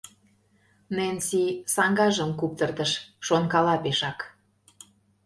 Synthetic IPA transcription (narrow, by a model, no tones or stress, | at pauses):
nensisɑŋɡɑʒə̆mkup̚t̪ərt̪əʃʃonkɑlɑpeʃɑk